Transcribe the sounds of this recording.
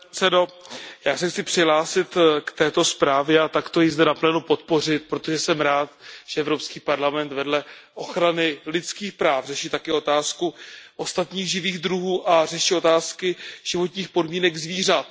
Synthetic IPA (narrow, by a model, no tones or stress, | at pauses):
sɛdo̞jaːsɛxt͡sɪpr̥ɪɦlaːsɪt̪kt̪ɛːt̪o̞spɾaːvjɛat̪akt̪o̞jɪzdɛnaplɛːnupo̞t̪̚po̞r̝ɪt̪̚pɾo̞t̪o̞ʒɛsɛmɾaːt̪ʒ̥ɛɛvɾo̞pskiːpaɾlamɛnt̪vɛdlɛʔo̞xɾanɪlɪt͡skiːxpɾaːfrɛʃit̪akɛːo̞t̪aːskuʔo̞st̪at̪ɲiːɣʒɪviːɣd̪ɾuɦuːʔarɛʃio̞t̪aːskɪʒ̥ɪvo̞t̪ɲiːxpo̞dmiːnɛɡzviːr̝at̪